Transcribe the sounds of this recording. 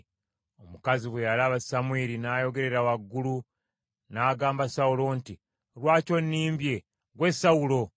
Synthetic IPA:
omukaziβwejalaβasamweɾinaːjo̞ɡe̞ɾe̞ɾawaɡːulu | naːɡaːmbasaulo̞nti | lwaːco̞nːiːmbje̞ | ɡwesawulo̞

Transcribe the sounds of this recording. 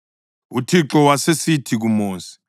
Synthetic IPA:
utʰiǁɔwasesitʰik̬umoːsi̥

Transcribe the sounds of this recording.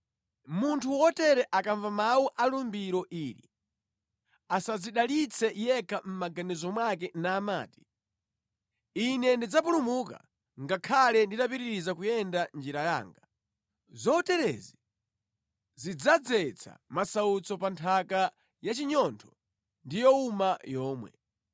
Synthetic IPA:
muntʰuwɔtɛɾɛʔakaɱvamawuʔalumbiɾɔʔiːɾḭ | asaziɗalit͡sʰɛjɛkʰam̩maɡanɛzɔmwakɛnaːma̰ːti̥ | inɛndid͡zapulumuka̰ | ŋɡakʰalɛnditap̬iɾiɾizakujɛndand͡ʒiɾaja̰ːŋɡa | zɔtɛɾɛ̰zi | zid͡zad͡zɛt͡sʰa̰masaut͡sɔpantʰaka | jat͡ʃiɲɔntʰɔ̥ | ndijɔumajɔːmwɛ̰

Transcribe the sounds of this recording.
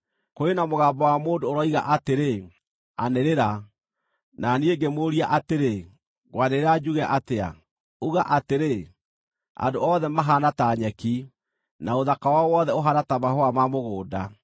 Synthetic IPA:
koenamoɣaːmbɔwamoːndoːɾɔiɣa̰ʔateɾe | aneɾeɾa | nanieɡemoːɾiaʔateɾe | ɣwaneɾad͡ʒuɣɛʔatea̰ | uɣaʔateɾe | a̰ndoɔðɛmaɦanataɲɛki | naoðakawawɔðɛoɦanatamaɦoamamoɣoːda

